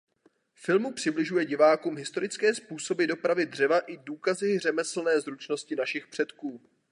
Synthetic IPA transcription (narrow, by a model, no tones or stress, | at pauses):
fɪlmupr̝̥ɪblɪʒujɛɟɪvaːkuːmɦɪst̪o̞ɾɪt͡skɛːspuːso̞bɪdo̞pɾavɪdr̝ɛvaʔɪduːkazɪr̝ɛmɛsl̩nɛːzɾut͡ʃno̞scɪnaʃɪxpr̝̥ɛt̪kuː